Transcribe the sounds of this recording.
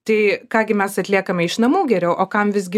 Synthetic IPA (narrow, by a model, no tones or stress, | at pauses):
t̪ɐɪkɑːɡʲɪmʲɛsɐt̪ʲlʲiɛkɐmʲɛɪʃnɐmuːɡʲɛɾʲɛʊʔoːkɐmʋʲɪzʲɡʲɪ